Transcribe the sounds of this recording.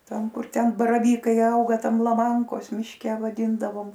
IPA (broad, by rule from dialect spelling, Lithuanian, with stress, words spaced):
ˈtɐm ˈkʊr tʲɛn bɐrɐˈʋʲiːkɐɪ ˈɐʊɡɐ ˈtɐm lˠɐˈmɐŋkoːs mʲɪʃʲˈkʲɛ ʋɐˈdʲiːndɐʋoːm